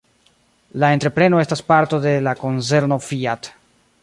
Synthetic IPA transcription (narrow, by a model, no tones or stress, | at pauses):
lae̞ntɾe̞pɾe̞no̞e̞staspaɾto̞de̞lako̞nse̞ɾno̞fiat